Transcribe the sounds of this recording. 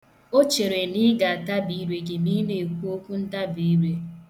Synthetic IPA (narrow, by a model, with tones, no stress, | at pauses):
o˦t͡ʃe˨ɾe˨ni˦ɡa˨a˨ta˦bi˨˦ɾe˨ɡe˨mi˦ne˨kʷu˦o˦kʷu˦n̩˦ta˦bi˨˦ɾe˦